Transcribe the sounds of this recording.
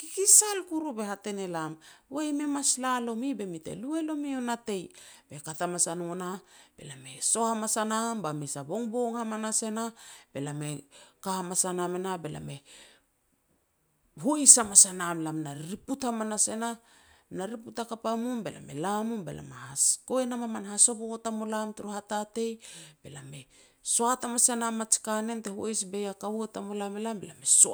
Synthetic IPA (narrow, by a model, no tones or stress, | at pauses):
kikisalkuɾube̞hate̞ne̞lamwejme̞maslalo̞mibe̞mite̞̰lue̞lo̞mio̞nate̞jbe̞katamasanonab̥e̞̰lame̞so̞hamasanambamisabo̞ŋbo̞ŋhamanase̞nab̥e̞lame̞kahamasanamenabe̞la̰me̞ | ɦoisamasanamlamnaɾɾiputhamanase̞na | naɾiputakapamumbe̞la̰me̞̰lamumbe̞̰la̰mahasko̞enamamanhaso̞bokotamolamtuɾuhatate̞jb̥e̞lame̞ | soatamasanamat͡ʃi̥kane̞nte̞huesbe̞jakawetamolamelambelame̞so